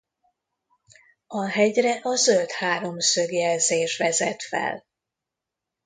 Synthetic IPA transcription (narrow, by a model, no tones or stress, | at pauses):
ɒɦɛɟrɛʔɒzølt̪haːɾo̞msø̞ɡjɛlzeːʃʋɛzɛt̪fɛ̰l